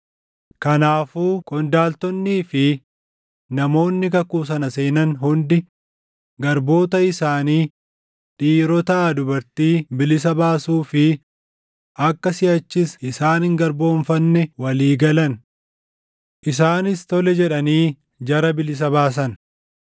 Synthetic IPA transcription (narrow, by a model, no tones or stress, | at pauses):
kɐnaːfuːkʼɔnd̪aːlt̪ɔnːiːfɪ | nɐmo̞ːnːɪkɐkuːs̬ɐnɐse̞ːnɐnɦʊnd̪ɪ | ɡɐɾbo̞ːt̪ɐɪsaːniː | ᶑiːɾɔt̪ɐd̪ʊbɐɾt̪iːbɪlɪs̬ɐbaːsuːfɪ | ʔɐkːɐsɪɐt͡ʃːɪsɪsaːnɪŋɡɐɾbo̞ːɱfɐnːɛwɐliːɡɐlɐn | ʔɪsaːnɪst̪ɔlɛd͡ʒɛᶑɐniː | d͡ʒɐɾɐbɪlɪs̬ɐbaːs̬ɐn